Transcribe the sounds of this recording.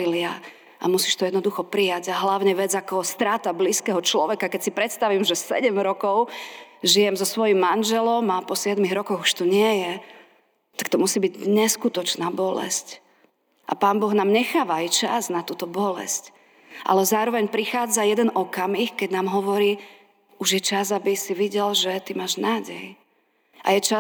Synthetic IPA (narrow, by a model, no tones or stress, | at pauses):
ilia | a̰musiːʃt̪ɔjɛd̪nɔd̪uxɔpɾijaɟaɦlaʊɲɛʋɛd͡zakɔɦɔst̪ɾaːt̪abliːskɛɦɔt͡ʃlɔʋɛkakɛcsipɾɛt̪st̪aʋimʒɛsɛ̰ɟɛmɾɔkɔʊʒijɛmzɔsʋɔjimːanʒɛlɔmapɔsɪɛd̪miɣɾɔkɔɣuʃt̪ɔɲɪɛjɛ | t̪ak̚t̪ɔmusiːbiɟɲɛskut̪ɔt͡ʃnaːbɔlɛ̰sc | ʔa̰paːnbɔɣnaːmɲɛxaːʋajt͡ʃa̰znat̪uːt̪ɔbɔlɛ̰sc | ʔa̰lɛzaːɾɔʋɛɲpɾixaːd͡zajɛd̪ɛnɔkamixkɛɟnaːmɦɔʋɔɾiː | uʒjɛt͡ʃazabisiʋiɟɛlʒɛt̪imaːʒnaːɟɛj | ʔa̰jɛt͡ʃa